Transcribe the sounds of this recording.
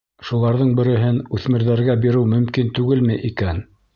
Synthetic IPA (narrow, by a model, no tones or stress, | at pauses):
ʃulˠɑɾðɤɴbɘ̆ɾɘ̆ɦɘnʉθmɘ̆ɾðæɾɡæbiɾɘwmɵ̆mkint̪ʉɡɘlmɘjʔikæn